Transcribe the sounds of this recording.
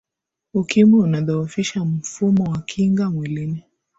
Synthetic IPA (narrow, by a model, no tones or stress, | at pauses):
ukimɛunaðaufiʃam̩fumɔwakʰiŋɡamwilini